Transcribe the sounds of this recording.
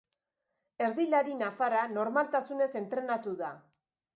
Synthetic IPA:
e̞ɾðilaɾinafaɾano̞ɾmalt̪asune̞se̞nt̪ɾe̞nat̪uða

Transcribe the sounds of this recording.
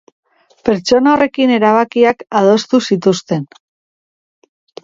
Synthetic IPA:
pe̞ɾt͡ʃo̞nao̞re̞kine̞ɾaβ̞akiakaðo̞st̪usit̪ust̪e̞n

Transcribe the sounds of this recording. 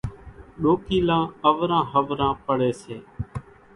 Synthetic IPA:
ɗoːkiːlãːəʋɾãːɦəʋɾãːpəɽeːseː

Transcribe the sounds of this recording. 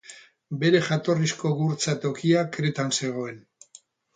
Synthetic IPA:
be̞ɾe̞ʝat̪o̞risko̞ɣuɾt͡sat̪o̞kiakɾe̞t̪anse̞ɣ̞o̞e̞n

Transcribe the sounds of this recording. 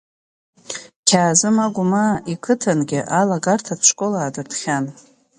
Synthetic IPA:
kʲʰaːzɨmaɡʷʊmaikʰɨtʰanɡʲɪʔalaɡartʰat͡ʃʷkʼolaːdɨrtχʲan

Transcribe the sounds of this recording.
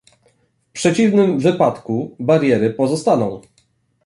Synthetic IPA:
fpʂɛt͡ɕivnɘmvɘpat̪kubaɾjɛɾɘpɔzɔst̪anɔ̃w̃

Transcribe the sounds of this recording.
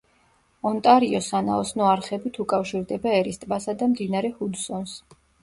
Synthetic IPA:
ɔnt̪ʼaɾiɔsana̰ɔsnɔaɾχɛbit̪ʰukʼafʃiɾd̪ɛbaɛɾist̪ʼbasad̪amd̪inaɾɛhud̪sɔns

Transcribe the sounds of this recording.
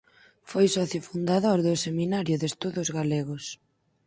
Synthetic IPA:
fojsɔθjofund̪aðoɾðʊseminaɾjʊðest̪uðʊzɣaleɣʊs

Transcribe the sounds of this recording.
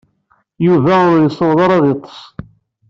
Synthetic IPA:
juvæʊɾjəsːowðˤɑɾˤɑðet̪ˤːə̥s

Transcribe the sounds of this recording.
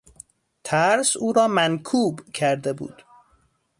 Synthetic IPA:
t̪ʰæɾsuːɾɒːmænkʰuːbcʰæɾd̪ebṵːd̪̥

